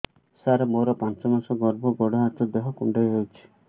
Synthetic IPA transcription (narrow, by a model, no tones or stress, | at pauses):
saɾɔmoɾɔpant͡ʃɔmansɔɡɔɾbɔɡɔɽɔɦat̪ɔd̪eɦɔkuɳɖajɦowt͡ʃʰi̥